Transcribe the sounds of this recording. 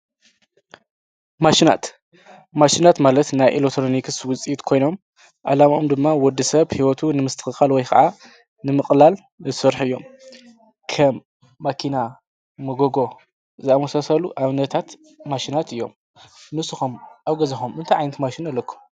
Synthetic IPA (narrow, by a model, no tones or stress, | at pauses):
maʃina̰t̪ | maʃinat̪malɐt̪najʔḭlot̪ʰɾomikʰɨswʊt͡sʼiit̪kʰo̞jno̞m | ʔa̰lamʔomd̪ɨmːawɔd̪ːisɐβhiwɔt̪ʰunɨmɨst̪ʰɨ̥xɨxalwɔjkʰɐ̰ʕa | nɨmɨxʼlal | zɨsɨɾħɨjːo̞m | kʰɐmː | akʰina | mɐɡoɡo̞ | zɨamɐsasɐluʔaβnɐt̪ʰat̪ | maʃinat̪ɨjːo̞̰m | nɨsɨxumʔaβɡɐzɐxumʔɨnt̪ʰaʕajnɐt̪maʃinɐlːɐkʰːu̥m